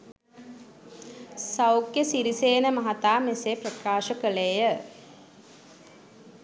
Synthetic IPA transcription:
sawkjəsiɾiseːnəmɐɦat̪aːmeseprəkaːʃəkəlejə

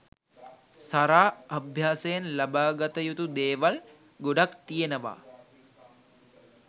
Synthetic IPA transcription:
saɾaːabʱjaːsejanlabaːɡat̪əjut̪ud̪eːʋal | ɡoɖakt̪ijenəʋa̰ː

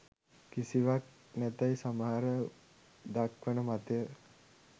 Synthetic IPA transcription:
kisiʋak̚ | næt̪ajsamaɦaɾə | d̪akʋənəmat̪əjə

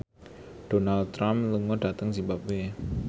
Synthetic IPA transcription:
ɖ̥onald̪̚t̪ːɾamluŋɔɖ̥at̪əŋsibap̚we

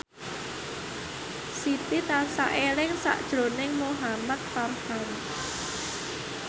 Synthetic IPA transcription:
sit̪it̪ansa̰ʔelɪŋsa̰ʔd̥ʒ̥ɾo̤nɪŋmoɦamat̪̚farhan

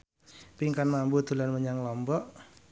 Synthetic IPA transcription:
piŋkanmambud̪̥ṳlanməɲaŋlɔmbɔʔ

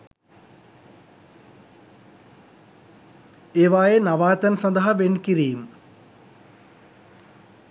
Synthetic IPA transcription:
eːʋaːjenɐʋaːt̪ɐnsɐnd̪ɐɦɐʋenkiɾijim

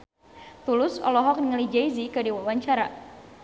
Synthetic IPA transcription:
t̪ulʊsɔ̰lɔɦɔk̚nəŋəlid͡ʒaizikadiwawaɲt͡ʃaɾa

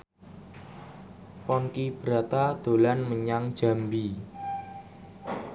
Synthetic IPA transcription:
pɔnkib̥ɾa̤t̪ad̪̥o̤lanməɲaŋd̥ʒ̥a̤mbi

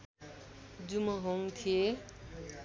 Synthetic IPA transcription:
d͡zumʌɦoŋt̪ʰie

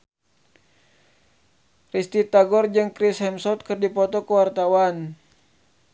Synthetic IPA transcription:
rist̪it̪aɡɔrd͡ʒɨŋkɾishɛmsɔt̪̚kɨrdipɔt̪ɔkəwart̪awan

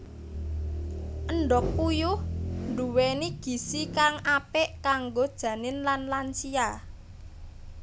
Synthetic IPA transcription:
ʔəɳɖɔk̚ːujʊhnɖuweniɡ̥i̤sikaŋapɛʔkaŋɡod̥ʒ̥ä̤nɪnlanlant͡ʃia

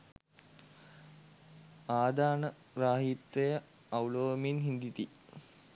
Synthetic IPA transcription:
aːd̪aːnə | ɾaːɦit̪ʋejə | awloːminɦind̪it̪i

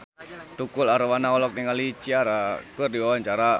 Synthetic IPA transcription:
t̪ukʊlaɾowanaɔlɔk̚niŋalit͡ʃiaɾakərdiwawant͡ʃaɾa

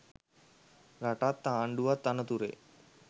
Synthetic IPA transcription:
ɡaʈat̪ːaːɳɖuʋat̪ːanət̪uɾḛ

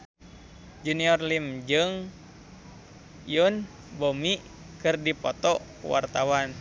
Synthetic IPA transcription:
d͡ʒuniɔrlimd͡ʒɨŋ | jun | bomi | kɨrdipɔt̪ɔ | wa̰rt̪awan

